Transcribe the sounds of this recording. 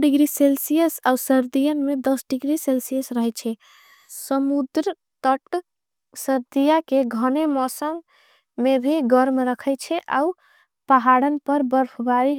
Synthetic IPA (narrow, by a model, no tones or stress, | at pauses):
ɖiɡɾiselsijəsausəɾd̪ijənmed̪əsɖiɡɾiselsijəsɾəɦɛt͡ʃʰɛ | səmud̪ɾə | t̪əʈ | səɾd̪ijakeɡʱənemɔsəmː | ebʱiɡəɾmɾəkʰɛjt͡ʃʰɛʔa̰u | paɦaɽənpəɾbəɾpʰbaɾi